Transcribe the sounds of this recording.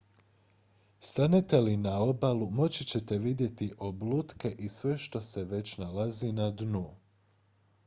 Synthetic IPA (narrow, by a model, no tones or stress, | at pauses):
st̪anet̪e̞linao̞balumo̞t͡ɕit͡ɕe̞t̪e̞ʋid̪je̞t̪iʔo̞blut̪ke̞ʔisʋe̞ʃt̪o̞se̞ʋe̞t͡ɕnalazinad̪nu